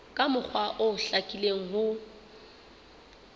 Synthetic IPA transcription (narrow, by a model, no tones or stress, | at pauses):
kʼamʊk͡xʰwaʔʊɬakʼileŋ̩ɦʊ